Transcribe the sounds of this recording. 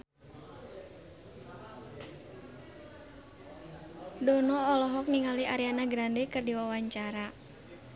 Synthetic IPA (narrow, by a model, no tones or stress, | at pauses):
dɔnɔɔlɔɦɔk̚niŋaliʔaɾianaɡɾandekɨrdiwawaɲt͡ʃaɾa